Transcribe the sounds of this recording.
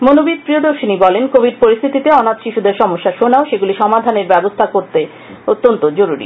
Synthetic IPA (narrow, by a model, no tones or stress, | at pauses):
monobid̪̚pɾiod̪oɾʃinibɔlenkobʱiɖ̚poɾist̪ʰit̪it̪eɔnat̪ʃiʃud̪eɾʃɔmoʃːaʃonaoʃeɡuliʃɔmad̪ʱaneɾbɛbost̪ʰakoɾt̪e | ot̪ːont̪od͡ʑoɾuɾḭ